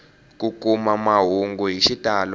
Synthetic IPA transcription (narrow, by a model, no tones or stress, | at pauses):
k̬ʼuk̬ʼumamaɦuŋɡuɦiʃitʼal